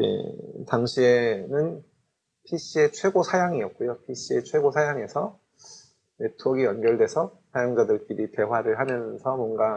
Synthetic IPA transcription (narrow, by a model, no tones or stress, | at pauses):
jḛtaŋɕʰie̞nɯn | pʰiɕ͈ie̞t͡ɕʰwe̞ɡosʰajaŋiʌk̚k͈ojopʰiɕ͈ie̞t͡ɕʰwe̞ɡosʰajaŋe̞sʰʌ | ne̞tʰuʌɡijʌnɡjʌɭdwe̞sʰʌsʰajʌŋd͡ʑadɯɭk͈iɾite̞ɦwaɾɯɭɦamjʌnsʰʌmwʌnɡa